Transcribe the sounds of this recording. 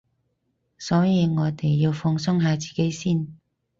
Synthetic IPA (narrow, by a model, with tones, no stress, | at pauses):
sɔː˨˥jiː˨˧ŋɔː˨˧t̪e˨jːiː˧wfɔː˧ŋsʊ˥ŋɦaː˨˧t͡siː˨ke˨˥jsiː˥˩n